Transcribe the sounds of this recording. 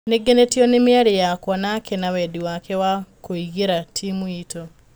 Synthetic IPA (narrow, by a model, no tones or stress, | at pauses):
neɡenetiɔnemiaɾejakwɔnakʰɛnawɛdiwakɛwakoiɣeɾatʰimuito